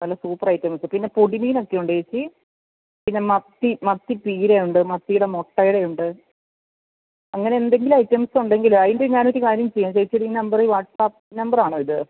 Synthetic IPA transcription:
nɐlːɐsuːpːɐrɐjtːɐmsɨpinːepoɽimijino̞kːe̞juɳɖet͡ɕːi | pinːe̞mɐt̪ːimɐt̪ːipiːɾejuɳɖɨmɐt̪ːijuɽemoʈːɐjuɽe̞juɳɖɨ | ɐŋːɐne̞end̪e̞ŋɡilɐjtːɐmsuɳɖe̞ŋɡiluɐjndeɲaːnɐt̪ːikaːɾjɐmt͡ɕejːaːmt͡ɕejit͡ɕːɨʈiːnɐmbɐrɨʋaːʈsaːpiːnɐmbɐraːɳoːiðɨ

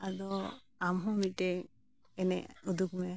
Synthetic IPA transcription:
adɔ | amɦɔ̃miʈɛ | ɛnɛud̪ukm

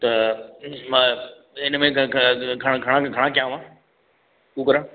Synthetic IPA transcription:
t̪ɐ | mã | ɪnmẽɡʱɐɽ̃ɡʱɐɽ̃ãɡʱɐɽ̃ãkjãːʋãː | kũːkɐɾãː

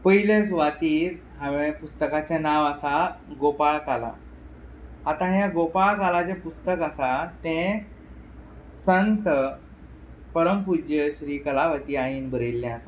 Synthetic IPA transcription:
pəɦilesʋat̪iːɾ | ɦãʋẽpust̪əkat͡ɕjanaʋasaɡopaɭkala̰ | at̪ãɦjãɡopaɭkalad͡ʑepust̪əkasat̪ɛ̃ | sənt̪ə | pəɾəmpud͡ʑjəɕɾiːkəlaʋət̪iːaɦiːnbʱəɾelːɛ̃asa

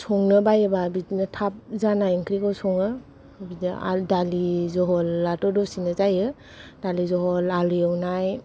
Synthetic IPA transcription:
sʰɔŋnɯbajebabidinɯtʰap̚zanajəŋkʰɾikawsɔŋɯ | bid̰a̰dalizɔɦɔlːatɔdɔsinɯzajɯ | d̥alizɔɦɔlaljawnaj

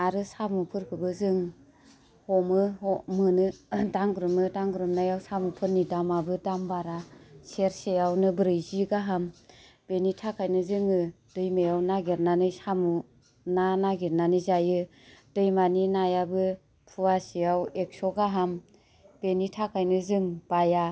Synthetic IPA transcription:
aɾɯsamupʰɯɾkʰɯbɯzɯŋ | hɔmɯɦɔmɯnɯdaŋɡɾɯmɯdaŋɡɾɯmnajawsamupʰɯɾnidamabɯdambaɾaseɾsejawnɯbɾɯjziɡaɦam | b̥enitʰakʰajnɯzɯŋɯ | d̥ɯjmejawnaɡeɾnanɯsamu | nanaɡiɾnanizajɯ | d̥ɯjmaninajabɯ | pʰuwasijawek̚sɔɡaɦam | b̥enitʰakʰajnɯzɯŋb̥aja

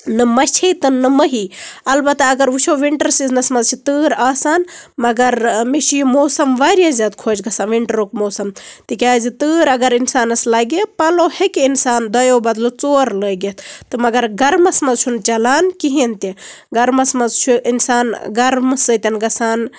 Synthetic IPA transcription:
nɨmɐt͡ʃʰet̪ɨnːɨmɐɦiɐlbɐt̪ːaɐɡɐɾʋut͡ʃʰoʋiɳʈɐɾsiznɐsmɐzt͡ʃʰit̪ɨːɾaːsaːnmɐɡɐɾmiʃijimoːsɐmʋaːɾjazʲaːd̪kʰoːd͡ʒɡɐsaːnʋiɳʈɐɾoːkmoːsɐmt̪ikʲaːzit̪ɨːɾɐɡɐɾinsaːnɐslaɡepɐlohekiinsaːnd̪ɐjoːbɐd̪lot͡soːɾləːɡet̪ʰt̪ɨmɐɡɐɾɡɐɾmɐsmɐzt͡ʃʰunt͡ʃɐlaːnkiɦint̪i | ɡɐɾmɐsmɐzt͡ʃʰuʔinsaːnɡɐɾmsɨt̪ʲɐnɡɐsaːn

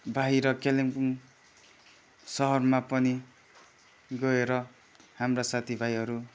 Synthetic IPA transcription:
bʱaɦiɾʌkelemkuŋ | sʌɦʌrmapʌni | ɡʌeɾʌ | hamrasat̪ʰibʱajɦʌɾu

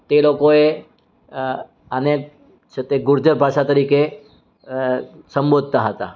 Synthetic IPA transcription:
t̪elokoe | ənek | t͡ʃʰet̪eɡʊɾd͡ʒəɾbʱaʃat̪əɾike | səmbod̪̚ʱt̪aɦət̪a̰

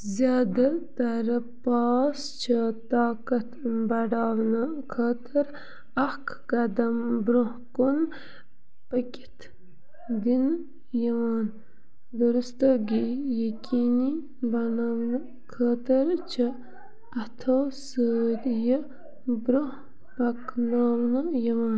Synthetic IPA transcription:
zjaːd̪ɐt̪ɐɾpaːs | t͡ʃʰət̪aːkɐt̪bɐɖaːʋnɨkʰəːt̪əɾ | ɐhkkɐd̪ɐmbɾohkun | pəkʲi̥t̪ʰ | d̪in | jɐʋaːn | d̪uɾust̪əɡijɐkʲiːni | bɐnaːwnɨ | kʰəːt̪əɾt͡ʃʰə | ɐt̪ʰosəːd̪jə | bɾuh | pɐknaːwnɨjɐʋaːn

